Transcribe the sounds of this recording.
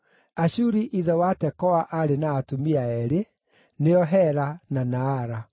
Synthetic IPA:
aɕuɾiʔiðɛwatɛkɔaʔaɾenaːtumiaɛɾe | neɔɦɛɾananaːɾa

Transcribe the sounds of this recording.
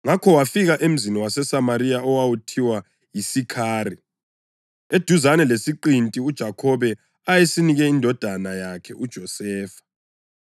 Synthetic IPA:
ŋakʰɔwafiɣaʔem̩ziniwasɛsamaɾijaɔwawutʰiwa | jisikʰaːri | ed̥ʱuzanɛlesiǃintʼiud̥ʒ̥ʱakʰɔβɛ | ajesiniɣɛindʱɔd̥ʱanajakʰɛʔud̥ʒ̥ʱɔsɛːfḁ

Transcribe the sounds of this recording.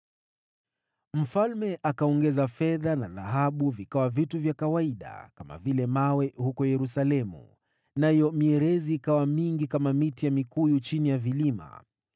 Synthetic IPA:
m̩falmɛʔakaɔŋɡɛzafɛðanaða̰ɦaɓuvikawavituvjakawaiɗa̰kama̰vilɛmawɛhukɔjɛɾusalɛmṵ | najɔmiɛɾɛziːkawamiŋɡikamamitijamikujut͡ʃinijavilima̰

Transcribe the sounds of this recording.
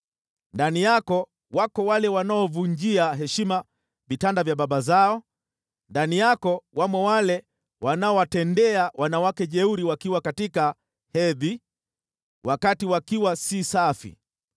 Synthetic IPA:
ndanijakɔ | wakɔwalɛwanaɔvuɲd͡ʒiaɦɛʃima | vitandavjaɓaɓazaɔ | ndanijakɔwamwɛwalɛ | wʔanaɔwatɛndɛawanawakɛʄɛuɾiwakiwakatika | hɛði | wʔakatiwakiwasisafḭ

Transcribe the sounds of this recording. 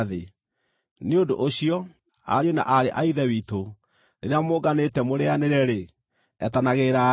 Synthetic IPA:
ðe | neodo̰ʔoɕijɔ | a̰ɾjona̰ʔaɾeʔaiðɛwito | neɾeamoːɡanetɛmoɾeaneɾɛɾe | ɛ̰tanaɣeːɾa

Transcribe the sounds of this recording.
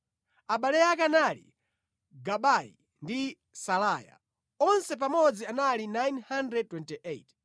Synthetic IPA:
aɓalɛjakanalḭ | ɡaɓaḭ | ndi | salaːja̰ | ɔnsɛp̬amɔd͡zianalinajnhandɾɛd̚twɛntiʔet

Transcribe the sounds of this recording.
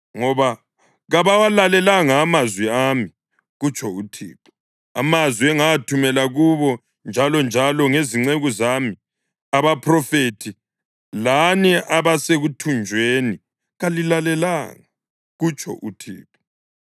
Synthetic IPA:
ŋɔβa | ɣaβawalalɛlaŋaːmazwiami | ɣut͡ʃʰʼɔutʰḭːpɔ̥ | a̰mazwiɛŋaatʰumɛlaɣuβɔ | nd͡ʒʱalɔnd͡ʒʱalɔŋeziŋ͡ǀeɣuzami | aβapʰrɔfeːtʰi | laniʔaβaseɣutʰund͡ʒʱweni | ɣalilalɛlaŋa | ɣut͡ʃʼʰɔ̰ʔutʰḭːpʰʼɔ

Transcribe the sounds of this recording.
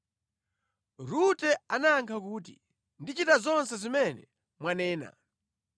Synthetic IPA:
ɾutɛanaŋkʰakuːt̬ḭ | ndit͡ʃitazɔnsɛzimɛnɛ̰ | mwanɛːna̰

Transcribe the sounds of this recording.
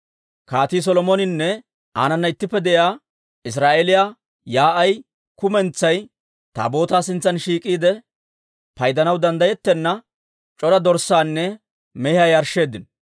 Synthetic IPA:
kaːt̪iːs̬ɔlɔmonɪnːɛ | ʔa̰ːnɐnːɐɪt̪ːɪpːɛd̪ɛʔjaː | ɪs̬ɾaːʔelɪjaː | jaːʔɐj | kʊmɛnt͡sːɐj | t̪a̰ːbo̞ːt̪aːsɪnt͡sːɐnʃiːkʼiːd̪ɛ | pɐjd̪ɐnɐwd̪ɐnd̪ɐjɛt̪ːɛnːɐ | t͡ʃʼɔɾɐd̪ɔɾsːaːnːɛ | mɛhɐjɐɾʃe̞ːd̪ɪn

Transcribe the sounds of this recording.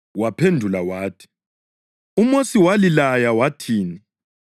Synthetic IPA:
wapʰendʱulawaːtʰi̥ | umosiwalilajawatʰiːni

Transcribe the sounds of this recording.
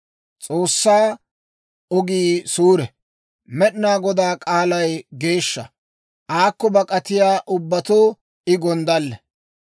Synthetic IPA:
t͡sʼo̞ːsːaː | ɔɡiːsuːɾɛ | mɛɗnaːɡɔd̪aːkʼaːlɐjɡe̞ːʃːɐ | ʔaːkːɔbɐkʼɐt̪ɪjaːʔʊbːɐt̪oː | ɪɡɔnd̪ɐlːɛ

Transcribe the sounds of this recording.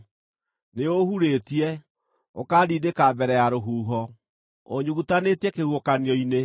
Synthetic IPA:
neohuɾetiɛ | okadiːdekabɛɾɛjaɾoɦuːɦɔ | o̰ɲuɣutanetiɛkeuokaniɔine

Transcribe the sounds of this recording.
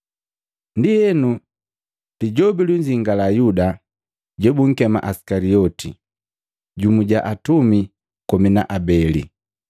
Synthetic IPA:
ndihɛnu | liɟɔbiluɲd͡ʒiŋɡalajuda | ɟɛbuŋ̩kɛma̰ʔasi̥kaliɔtʰḭ | ɟumuɟaʔatumi | kɔmina̰ʔabɛlḭ

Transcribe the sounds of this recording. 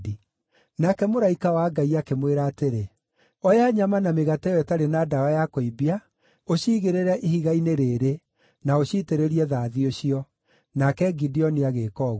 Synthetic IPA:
i | nakɛmoɾaikawaɡaiakemweɾaːteɾe | ɔjaɲamanameɣatɛɔɛtaɾenaːdaɔjakoibia | oɕiɣeɾeɾɛʔihiɣaineɾeːɾe | naoɕiteɾeɾiɛðaðioɕiɔ | nakɛɡidiɔniaɣekɔːɣ

